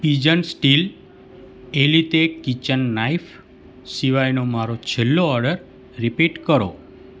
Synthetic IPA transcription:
pid͡ʒənsʈil | elit̪ekit͡ʃənːaif | siʋajnomaɾot͡ʃʰelːoɔɾɖəɾ | ɾipiʈkəɾo̰

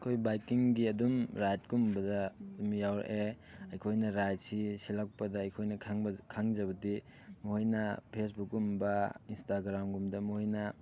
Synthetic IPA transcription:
kʰojbajkiŋɡiɐdumɾajt̚ɡumbɐdɐdumjawɾa̰ʔe | ɐjkʰojnɐɾajt̚sisilak̚pɐdɐɐjkʰojnɐkʰaŋbkʰaŋd͡ʒɐβɐdi | muɦojnɐpʰes̬buk̚ːumbɐinstaɡɾamɡumdɐmuɦojnɐ

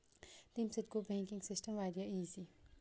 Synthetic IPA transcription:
t̪imsɪt̪kobʱẽːŋkɪ̃ŋɡsɪsʈəmʋaːɾijaiːzi

